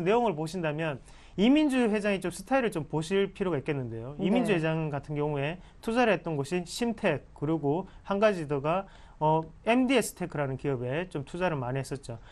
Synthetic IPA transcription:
nːe̞joŋɯɭpoɕʰindamjʌn | imind͡ʑuɸwe̞d͡ʑaŋit͡ɕomsʰɯ̥tʰaiɾɯɭt͡ɕompoɕʰiɭpʰiɾjoɡaik͈e̞nːɯnde̞joimind͡ʑuwed͡ʑaŋkatʰɯnɡjʌŋue̞ | tʰud͡ʑaɾɯɭɦe̞t̚t͈ʌnɡʌɕʰiɕʰimtʰe̞k̚k͈ːɯɾiɡo | hanɡad͡ʑidoɡa | ʌe̞mdies͈ʰɯ̥tʰe̞kʰɯɾanɯnkiʌbe̞t͡ɕomtʰud͡ʑaɾɯɭmaniɦes͈ʌt̚t͡ɕ͈o

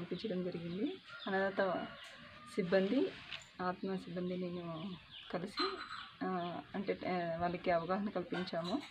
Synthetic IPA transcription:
ɐlipiɲt͡ʃɐɽɐmd͡ʒɐɾiɡind̪iɐnɐd̪aːt̪ɐ | sibːɐnd̪i | aːt̪mɐsibːɐnd̪ine̞ːnukɐlisi | ɐɳʈeːʋɐlɐkiɐʋɐɡaːɦɐnɐkɐlipiɲt͡ʃaːmu

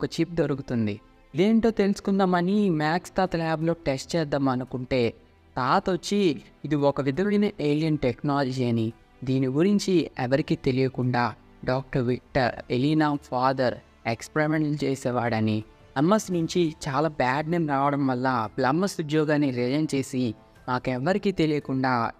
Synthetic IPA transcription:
ɔkɐt͡ʃip̚d̪oɾukut̪und̪i | id̪e̞ːɳʈ̪o̞ːt̪e̞lusu̥kund̪aːmɐnimaːkst̪aːt̪laːblo̞ːʈesʈt͡ʃɛːd̪aːmɐnukuɳʈe̞ː | t̪aːt̪ot͡ʃːiid̪iɔkɐʋid̪ɐʋɽinɐʔeːlijɐnʈeknaːlɐd͡ʒiɐni | d̪iːniɡuɾiɲt͡ʃiɛʋɐɾikiːt̪e̞lijɐkuɳɖaː | ɖaːk̚ʈɐɾʋikʈːɐɾeliːnaːpʰaːd̪ɐɾ | ekspɾemeɳʈlut͡ʃeːsɛːʋaːɽɐni | ɐmːɐsnuɲt͡ʃit͡ʃaːlaːbaːɖneːmɾaːʋɐɽɐmʋɐlːablɐmːɐsud̪jɔːɡaːniɾɛd͡ʒɐnt͡ʃe̞ːsi | maːkɛʋːɐɾikiːt̪e̞lijɐkuɳɖaː

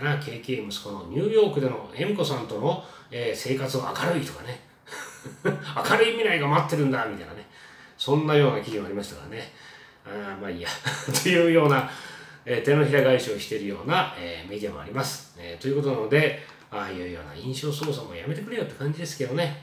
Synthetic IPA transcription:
nakʰe̞ːkeːmɯ̟sɨ̥ko̞noɲ̟ʲɨːjo̞ːkɯ̟d̪e̞no̞ẽ̞ŋko̞sãnt̪o̞no̞ | eːse̞ːkat͡sɨoa̰kaɾɯ̟it̪o̞kane̞ | akaɾɯ̟imʲiɾaiɡamoat̪ːe̞ɾɯ̟̃nd̪amit̪aina̰ne̞ | sõ̞nːajo̞ːnakʲiʑimoaɾimaɕi̥t̪aka̰ane̞ | amaijat̪ojɯ̟ːjo̞ːnaeːt̪eno̞çiɾaɡaiɕoːɕi̥t̪e̞ɾɯ̟jo̞ːnaeːme̞d̪ʲiamo̞a̰ɾʲimasɨ̥ | et̪o̞jɯ̟ko̞t̪o̞nano̞d̪e̞ | aːjɯ̟ːjo̞̰ːna̰ĩɰ̃ɕo̞ːs̬o̞ːs̬amo̞̰jame̞t̪ekɯ̟ɾe̞jo̞t̪ːe̞̥kãɲ̟d͡ʑid̪e̞sɨ̥ke̞d̪o̞ne̞

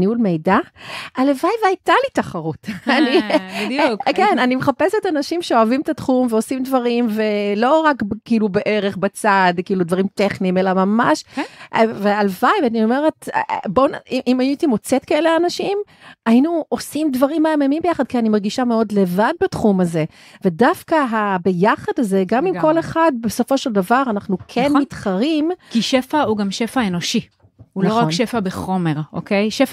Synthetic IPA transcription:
niulme̞jdaalevajvajtalitaχaʁutani | kenanimeχapesetanaʃimʃeoavimet̪atχumveo̞simdvaʁimve̞lo̞ʁakbkiiːlubeʔeʁe̞χbat͡sadkiːlud̪vaʁimteχniːme̞lamama̰ʃ | vealvajveanio̞me̞ʁetbo̞niimajuitimo̞t͡setkaeleanaʃim | ainuo̞simdvaʁimaamemimbejaχad̪̚kianimaʁɡiʃameo̞dle̞vad̚batχumaze̞ | ve̞dafkaɦabe̞jaχadazeɡamimko̞leχad̚beso̞fo̞ʃeldavaʁanaχnukʰenmitχaʁimkiʃefauɡamʃefaeno̞ʃi | uloʁakʃefabeχo̞me̞ʁo̰kʰejʃef

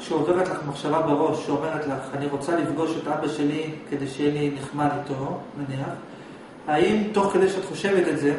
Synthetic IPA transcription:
kʃeove̞ʁetlaχmaχʃavabeʁo̞ʃʃeome̞ʁ̞et̪laχaniʁo̞t͡salifɡo̞ʃe̞tʔabaʃe̞like̞d̪ejʃejeliniχmadot̪onaniaχ | aimto̞χke̞d̪ejʃeatχo̞ʃe̞vetelze̞

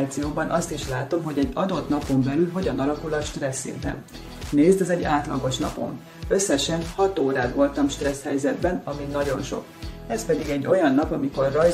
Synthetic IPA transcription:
t̪sijoːbɒnʔɒst̪iʃlaːt̪o̞mɦo̞ɟɛɟːɒd̪o̞t̪nɒpo̞mbɛlylɦo̞ɟɒnɒlɒkulɒʃt̪rɛsːḭnt̪ɛ̰n | neːzd̪ɛzɛɟːaːt̪lɒ̰ɡo̞ʃnɒ̰po̞̰m | ø̞sːɛʃɛnhɒt̪oːɾaːd̪vo̞lt̪ɒmʃt̪rɛshɛjzɛd̪bɛnɒminːɒɟo̞nʃo̞̰kɛspɛd̪iɡɛɟːo̞jɒnːɒpɒmiko̞rːɒj

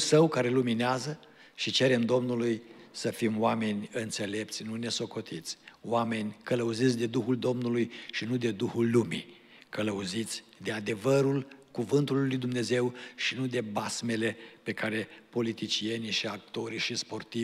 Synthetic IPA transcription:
səwkaɾe̞lumineazə | ʃit͡ʃe̞ɾe̞md̪o̞mnulujsəfimoame̞nʲɨnt̪se̞le̞p̚t̪sʲnune̞so̞ko̞t̪ʰit̪sʲoame̞nʲkələuzit̪sʲd̪e̞d̪uxuld̪o̞mnulujʃinud̪e̞d̪uhulːumḭ | kələuzit̪sʲd̪e̞ad̪e̞vəɾulkuvɨnt̪ulːujd̪umne̞ze̞wʃinud̪e̞basme̞le̞pe̞kaɾe̞po̞lit̪it͡ʃije̞niʃiak̚t̪o̞ɾiʃispo̞rt̪i

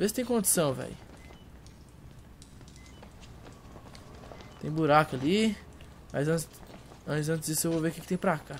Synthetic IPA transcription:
vesɪt̪ẽj̃kõnd͡ʒ̪i̥sɐ̃w̃vɛ̰jʊ | t̪ẽj̃buɾakʊali | majzɐ̃ | ɐ̃t͡ʃɪzɐ̃t͡ʃ̪ɪzd͡ʒisʊewvoveukɪkɪt̪ẽj̃pɾaka

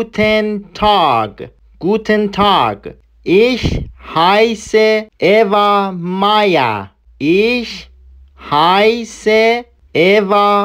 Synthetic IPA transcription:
t̪ʰentʰaɡ | ɡ̥ut̪ʰẽntʰaɡ | iʃhajseeʋamaja̰ | iʃ | hajse | eʋa

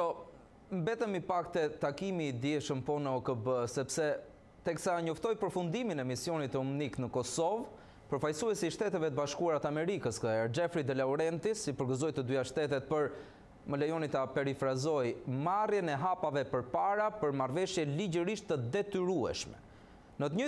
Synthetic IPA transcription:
ɔ | mbɛt̪əmipakt̪ɛt̪akimid̪jɛʃəmpɔnəɔkəbəsɛpsɛ | t̪ɛksaɲɔft̪ɔjpəɾfund̪iminɛmisjɔnit̪əumniknəkɔsɔv | pəɾfajsuɛsiːʃt̪ɛt̪ɛvɛt̪əbaʃkuaɾat̪əamɛɾikəskəɛɾd͡ʒɛfɾid̪ɛlauɾɛnt̪isipəɾɡəzɔjt̪əd̪yaʃt̪ɛt̪ɛt̪̚pəɾ | məlajɔnit̪apɛɾifɾazɔjmarjɛnɛɦapavɛpəɾpaɾapəɾmarvɛʃjɛlid͡ʑəɾiʃt̪əd̪ɛt̪yɾuɛ̰ʃmɛ̰ | nət̪əɲə

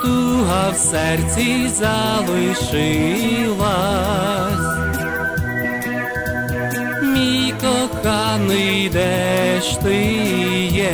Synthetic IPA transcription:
t̪uɦɐwsɛrt͡sʲizɐlˠɪʃɪlˠɐ | sʲ | mʲikɔxɑnɨjd̪ɛʃt̪ɪjɛ

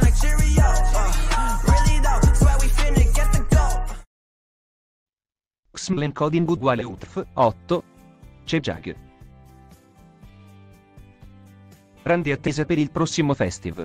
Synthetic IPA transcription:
nəkiɹijɔt | ɹilid̪awɛwifɪnɪɡɛt̪əkɔp | ksmaleŋkʰɔd̪iŋɡuɡwaːleut̪ɾfɔt̪ːo | t͡ʃed͡ʒa̰ɡə̰ | rand̪iat̪ːezapeɾilpɾɔsːimofɛ̰st̪ḭva

